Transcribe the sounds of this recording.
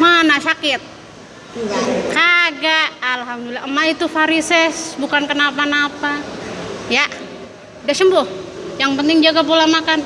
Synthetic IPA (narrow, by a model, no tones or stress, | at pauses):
manaʃakɪt̪̚ | kaɡaʔːlɦamd̪ulilamːait̪ufaɾisɛsbukankənapanapa | jaʔ | daʔsəmbʊhjaŋpənt̪ɪŋd͡ʒaɡapolamakan